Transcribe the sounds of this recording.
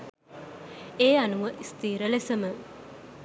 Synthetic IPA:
eːanuʋəʔist̪iːɾəlesəmə

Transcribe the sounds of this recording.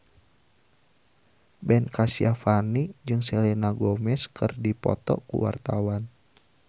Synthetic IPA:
bɛnkasiafanid͡ʒɨŋsɛlɛnaɡɔmɛskʰɨrdipɔ̰t̪ɔ̰kṵwa̰rt̪awan

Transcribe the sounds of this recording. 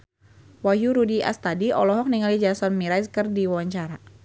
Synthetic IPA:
wajuɾudiʔa̰st̪adiɔlɔɦɔk̚niŋalid͡ʒasɔnmiɾajskərdiwawaɲt͡ʃaɾa

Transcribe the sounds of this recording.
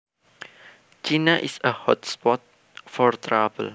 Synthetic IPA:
t͡ʃinaʔisəhɔtspɔt̚ | fɔɹt̪ɹavə̰l

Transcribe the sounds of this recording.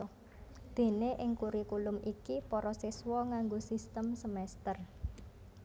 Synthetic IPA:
d̪̥e̤neʔɪŋkuɾikulʊmikipɔɾɔsiswɔŋaŋɡosist̪əmsəmɛst̪ər

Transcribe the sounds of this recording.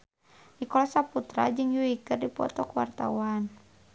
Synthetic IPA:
nikɔlasaput̪ɾad͡ʒɨŋjuikɨrdipɔ̰t̪ɔkwa̰rt̪a̰wan

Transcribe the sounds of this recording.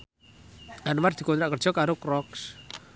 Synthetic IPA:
anward̪̥i̤kont̪ɾaʔkər̥d͡ʒ̥ɔ̤kaɾokɾɔks

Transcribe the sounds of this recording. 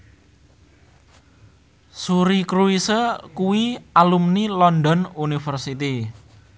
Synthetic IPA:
suɾikɾuisəkuwialumnilɔndɔnunifərsit̪i

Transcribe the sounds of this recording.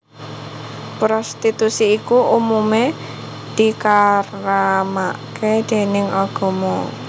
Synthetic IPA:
pɾɔst̪it̪usiːkuʔumume | d̪̥i̤karamaked̪̥e̤nɪŋɔɡ̥ɔ̤mɔ

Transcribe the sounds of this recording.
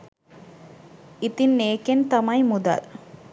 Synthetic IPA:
ɪt̪inːeːkent̪ɐmɐjmʊd̪ɐ̰l

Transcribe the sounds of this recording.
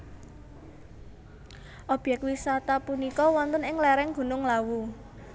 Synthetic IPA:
ʔɔb̥jɛk̚t̚wisat̪apunikɔwɔnt̪ənɪŋlɛɾɛŋɡ̥ṳnʊŋlawu

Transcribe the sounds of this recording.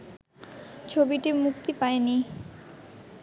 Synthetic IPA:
t͡ɕʰobiʈimuk̚t̪ipaeni

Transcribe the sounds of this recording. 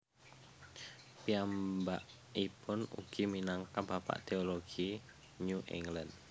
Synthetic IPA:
piambaʔ | ipʊnṵɡ̥iminaŋkabapa̰ʔt̪eoloɡ̥i | ɲuʔḭŋɡland̪

